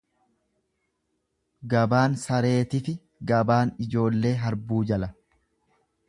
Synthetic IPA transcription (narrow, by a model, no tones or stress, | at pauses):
ɡɐbaːnsɐɾe̞ːt̪ɪfɪ | ɡɐbaːnɪd͡ʒo̞ːlːe̞ːɦɐɾbuːd͡ʒɐlɐ